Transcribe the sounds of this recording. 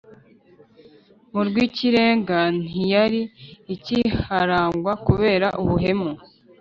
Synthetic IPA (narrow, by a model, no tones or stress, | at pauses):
muɾɡwiːciɾe̞ːŋɡan̥ijaɾiːcihaɾaːŋɡwakuβe̞ːɾaʔuβuɦe̞mu